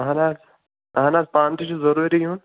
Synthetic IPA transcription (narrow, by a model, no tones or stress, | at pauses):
ɦanaːz | ɦaːnaːzpaːnt̪ʰiʃuzɐɾuːɾijũn